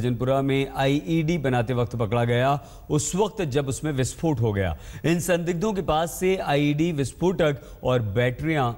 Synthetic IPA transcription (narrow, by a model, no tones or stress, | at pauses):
d͡ʒənpʊɾamẽʔaːiʔiːɖiːbɐnaːt̪eʋɐk̚t̪pɐkɽaɡɐja | ʊsʋɐk̚t̪d͡ʒɐbʊsmẽʋɪspʰoːʈɦoɡɐja̰ːɪnsɐ̃nd̪ɪɡ̚d̪ʱõk̬epaːsːeaːiːɖiʋɪspʰoːʈək | ɔːɾbɛːʈɾijã